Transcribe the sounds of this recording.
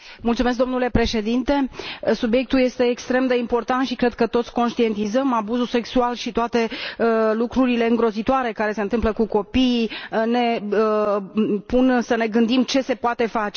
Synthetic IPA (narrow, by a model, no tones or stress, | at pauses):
mult̪sumes̬kd̪o̞mnule̞pɾe̞ʃe̞d̪int̪e̞subje̞k̚t̪ulje̞st̪e̞ːkst̪ɾe̞md̪e̞impo̞rt̪ant̪ʃikɾe̞d̪̚kət̪o̞t̪sʲko̞nʃt̪ie̞nt̪izəmabuzuse̞ksualʃit̪oat̪e̞lukɾuɾile̞ɨŋɡɾo̞zit̪oaɾe̞kaɾe̞se̞ɨnt̪ɨmpləkuko̞pijne̞ə | punsəne̞ɡɨnd̪imt͡ʃe̞se̞poat̪e̞fat͡ʃe̞